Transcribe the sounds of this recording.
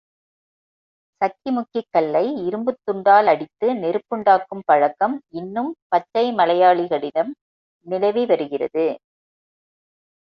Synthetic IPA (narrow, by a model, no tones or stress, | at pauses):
sɐkt͡ʃːɪmʊkːɪkːɐlːɐɪɪɾɯmbɯt̪ːɯɳɖaːlɐɽɪt̪ːɯnɛɾɯpːɯɳɖaːkːɯmpɐɻɐkːɐmɪnːɯmpɐt͡ʃːɐɪmɐlɐjaːɭɪɣɐɭɪðɐm | nɪlɐɪʋiʋɐɾɯɣɪrɐ̰ðɯ